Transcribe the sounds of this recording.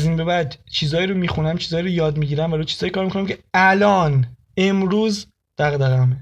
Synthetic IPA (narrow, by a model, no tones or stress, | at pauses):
ziːnbe̞bæd̪t͡ʃʰiːzɒːjiɾo̞miːxunæmt͡ʃʰiːzɒːiɾojɒːd̪miːɟiːɾæmvælot͡ʃʰiːz̥ɒːjkʰɒːɾmikonæmcʰeælɒːn | e̞mɾuːz | d̪̥æɣd̪æɣæme